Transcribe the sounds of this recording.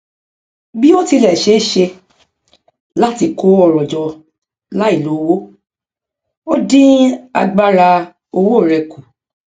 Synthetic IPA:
bi˦o˦ti˧lɛ˨ʃe˨˦ʃe˧ | la˦ti˧ko˦ɔ˧ɾɔ˨d͡ʒɔ˧ | la˦i˦˨lo˨˦wo˦ | o˦dĩ˦a̰˧ɡ͡ba˦ɾa˧ | o˧wo˦˨ɾɛ˧ku˨

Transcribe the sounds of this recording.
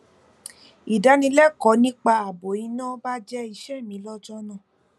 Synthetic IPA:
i˨da˨˦nĩ˧˦lɛ˦kɔ˨˦nĩ˦k͡pa˧a˨bo˨ĩ˨˧˦nã˦ba˦d͡ʒɛ˦i˧˨ʃɛ˦˨mĩ˨˦lɔ˦d͡ʒɔ˦nã˦˨

